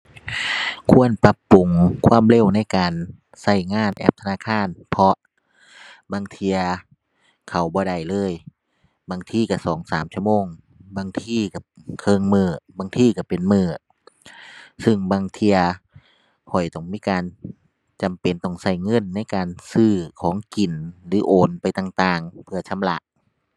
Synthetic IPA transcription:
kʰu˧˥ənpa˧pːu˨˩ŋkʰwaː˧˥˨mle˧˨wna˧˥˨jkaː˨n | sa˧˩jŋaː˧˥˨nʔɛ̰ː˧˥p̚t̪ʰa˧aː˧˨kʰaː˧˥˨npʰɔ˧ | baː˧ŋt̪ʰi˧ɐ | kʰa˨˩wbɔː˧˦da˧˩jlɤː˧˥˨j | baː˧˩ŋt̪ʰiː˧˩ka˧˩sɔː˨˦ŋsaː˨˦mt͡ɕʰu˧ə˨moː˧˨ŋ | baː˧ŋt̪ʰiː˧˥˩ka˧˩kʰɤː˧˨ŋmɯː˧˩baː˧ŋt̪ʰiː˧ka˧˩pe˨nmɯː˧˩ | sɯ˧˩ŋbaː˧ŋt̪ʰi˧ɐ | hʰɔ˨˩jt̪ɔ˧˩ŋmiː˦˥˨kaː˨˧n | t͡ɕa˨mpe˨nt̪ɔ˧˩ŋsa˧˩jŋɤ˧˥˨nːa˧˥˨jkaː˨nsɯː˧˩kʰɔː˨˦ŋki˨˩nlɯː˨˦ʔoː˨˩npa˨jt̪a˧˩ŋt̪aː˧˩ŋpʰɯ˧ɐt͡ɕʰa˧˥˨mla˧ʔ

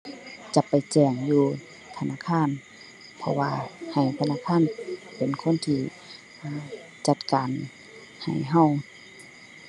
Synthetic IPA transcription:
t͡ɕa˧˦pːa˨jt͡ɕɛː˧˩ŋjuː˧ | t̪ʰa˧naː˧˥˨kʰaː˧˥˨n | pʰɔ̰˧waː˧ha˨˩jt̪ʰa˧na˧˥˨kʰaː˧˥˨npe˨nkʰo˧˥˨nt̪ʰiː˧˩ | ʔː | t͡ɕa˧˩t̪̚kaː˨n | ha̰˨˩jɦa˧˩˨w

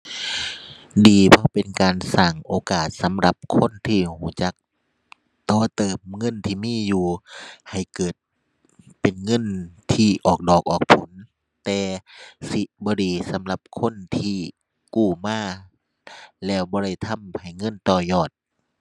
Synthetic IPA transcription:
diː˨˩pʰɔ˧pe˨nkaː˨nsaː˧˩ŋʔoː˨˧kaː˨˩t̪̚sa˨˦mla˧˦p̚kʰo˧˥˨nt̪ʰiː˧˩huː˧˩t͡ɕa˧˦k̚ | t̪ɔː˧˩t̪ɤː˨˩mŋɤ˧˥˨nt̪ʰiː˧˨miː˧˥˨juː˧˩ha˨˩jkɤː˨˩t̪̚ | pe˨nŋɤ˧˥˨nt̪ʰiː˧˩ʔɔː˨˩k̚dɔː˨˩k̚ʔɔː˨˩k̚pʰo˨˦n | t̪ɛː˨˧si˧˦bɔː˧˦ɾiː˨˩sa˨˦mla˧p̚kʰo˧˥˨nt̪ʰiː˧˩ | kuː˧˩maː˧˥˩ | lɛː˧˩wbɔː˧˦ɾa˧˩jt̪ʰa˧˥˨mha˨˩jŋɤ˧˥˨nt̪ɔː˧˩jɔː˧˩t̪̚

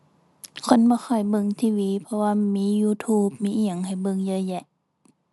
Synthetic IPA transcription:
kʰo˧˥˨nbɔː˧˦xɔ˨˩jbɤ˧˨ŋt̪ʰiː˧˨wiː˧˦pʰɔ˧waː˧miː˧˥juː˧˦t̪ʰuː˧˩p̚miː˧˥ʔi˧˩ə˨ŋha˨˩jbɤ˧˨ŋjɤː˧˦jɛ˧ʔ

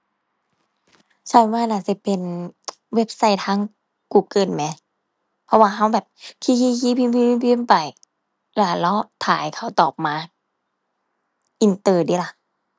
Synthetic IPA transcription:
sʰa˧˩˨waː˧˨naː˧˩si˧˩˦pe˨n | we˦˥˩p̚sa˧˥˨jt̪ʰaː˧˥˨ŋ | kuː˧˩kɤː˧˩˨nmɛː˧˦ | pʰɔ˧waː˧ɦa˧˥˩wbɛː˨˩p̚kʰiː˧ki˧˩kiː˧˦˨pʰi˧˨mpi˧i˧˦pʰi˧˦mpa˨˩j | laː˧˩lɔ˧˥t̪ʰaː˨˦jkʰa˧˩wt̪ɔː˨˩p̚maː˧ | ʔi˧nt̪ɤː˧˩diː˧˦la˧˩

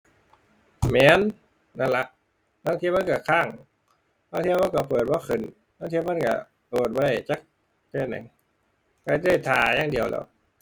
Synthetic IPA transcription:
mɛː˨˦˨n | na˧˩la˧ʔ | na˧˥˨ŋt̪ʰi˧˨ma˧˥˨ka˧˩kʰaː˧˩ŋ | na˧˥˨ŋt̪ʰi˧˨ma˧˥˨ka˧˩pʰɤː˨˩t̪̚bɔː˧˦xʰɯ˨˩˨n | naː˧˥˨t̪ʰiː˧˥ma˧˥˨nka̰˧˩ | pɤː˨˩t̪̚bɔ˧˨˩t͡ɕa˧˥˩k̚ | t̪eː˧˩nːɛ̰˨˩˦ŋ | ka˧˩tɯː˧˥˩t̪ʰaː˧˩jaː˧˩ŋdi˨˩əwlɛ̰ː˧˩w

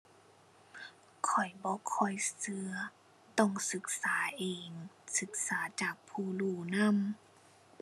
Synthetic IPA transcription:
kʰɔ˨˩jbɔː˧˦kʰɔ˧˨˩jsɯ˧ɐ | t̪ɔ˧˩ŋsɯ˧˦k̚saː˨˩˦ʔeː˨˩ŋsɯ˧˦k̚saː˨˦t͡ɕaː˨˩k̚pʰuː˧˩luː˧˩na˧˥˨m

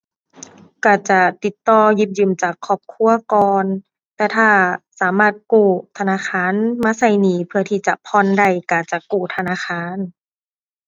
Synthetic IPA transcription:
ka˧˩t͡ɕa˧˩t̪i˨˩t̪ːɔː˧ji˧˦p̚jɯː˧˨mt͡ɕaː˨˩kʰːɔː˧˩p̚kʰu˧˥˨ɐkɔː˧n | t̪ɛː˧t̪ʰaː˧˩saː˨˦maː˧˥˩t̪̚kuː˧˩t̪ʰa˧naː˧˥˨xʰaː˧˥˨nmaː˧˥˨sa˧˩jniː˨˩˦pʰɯ˧ɐt̪ʰiː˧˩t͡ɕa˧˨pʰɔ˧˨nda˧˩jka˧˩t͡ɕa˨˩kuː˧˩t̪ʰa˧naː˧˥˨xʰaː˧˥˨n

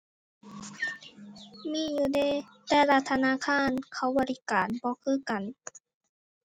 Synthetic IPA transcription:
miː˧˥˨juː˧deː˧˥˨t̪ɛː˧la˧t̪ʰːa˧naː˧˨kʰaː˧˥˨nkʰa˧˥˩wbɔː˧˦li˦kaː˨˩nbɔː˧˦kʰɯː˧˥˨ka˨n

